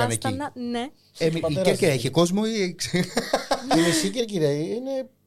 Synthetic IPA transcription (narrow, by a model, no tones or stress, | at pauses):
ɐnecine | emieɾkiɾɐeçeko̞zmo̞ikse | iisiceɾc̬iɾiɐiine